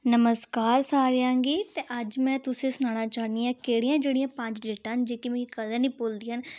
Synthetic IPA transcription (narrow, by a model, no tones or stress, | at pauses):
nəməskaːɾsaːɾɪãːŋɡiːt̪eːʔəd͡ʒmɛ̃ːt̪ʊsẽːsʊnaːnaːt͡ʃaːniːaːkeːɽijãːd͡ʒeːɽijãːpə̃ɲd͡ʒɖeːʈaːɦnd͡ʒeːkimɛ̃ːikəd̪ɛ̃ːnĩːpoːld̪iːɦən